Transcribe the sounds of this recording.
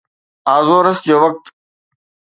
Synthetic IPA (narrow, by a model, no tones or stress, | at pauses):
aːzoːɾəsd͡ʑoːʋək̚t̪